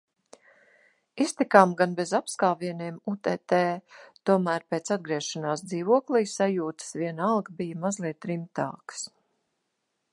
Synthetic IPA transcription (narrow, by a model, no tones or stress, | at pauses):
ist̪ikaːmɡanbɛzapskaːviɛniɛmut̪ɛt̪eːt̪uɔmæːɾpeːt̪sad̪̚ɡɾiɛʃanaːsd̪ziːvuɔklˠijsajuːt̪ə̥sviɛnalˠɡbijəmazlˠiɛt̪ːɾimt̪a̰ːks